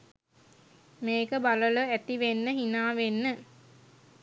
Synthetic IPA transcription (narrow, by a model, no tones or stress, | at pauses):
meːkəbalələæt̪iʋenːəɦinaːʋenːə